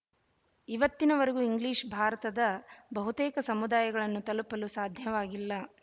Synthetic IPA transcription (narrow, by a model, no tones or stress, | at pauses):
iʋɐt̪ːinɐʋɐɾɐɡuiŋɡliːʂbʱaːɾɐt̪ɐd̪ɐbɐɦut̪ɛːkɐsɐmud̪aːjɐɡɐɭɐnːut̪ɐlupɐlusaːd̪ʱjɐʋaːɡilːɐ